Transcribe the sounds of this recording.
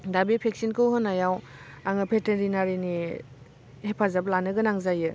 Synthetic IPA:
dabipʰek̚sinkʰɯwɦɯnajawaŋɯpʰeteɾinaɾini | hepʰazablanɯɡɯnaŋzajɯ

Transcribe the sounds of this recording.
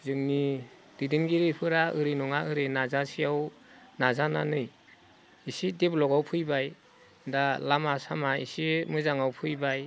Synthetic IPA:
zɯŋni | d̥idinɡiɾipʰɯɾaɯɾinɔŋaʔɯɾɯnazasijaw | nazananɯj | isideblɔɡawpʰɯjbaj | dalamasamaḭsimɯzaŋawpʰɯjbaj

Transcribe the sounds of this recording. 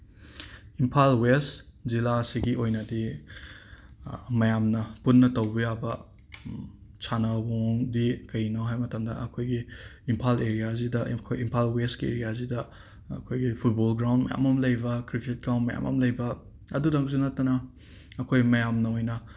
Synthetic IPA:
impʰalwestzilasiɡiʔojnɐdi | mɐjamnɐpunːɐtɐwbɐjabɐ | t͡ʃʰanɐwoŋdikɐjnoɦajmɐtɐmdɐʔɐkʰojɡiːmpʰaleɾijazidɐkʰojimpʰalwestkiḛɾijaz̬idɐ | ɐ̰kʰojɡipʰut̚bolɡɾawndmɐja̰mɐmlɐjbɐkɾiket̚ɡawnmɐja̰mʔɐ̰mlɐjbɐ | ɐdudɐŋkzunɐtːɐnɐː | kʰojmɐjamnɐojnɐ

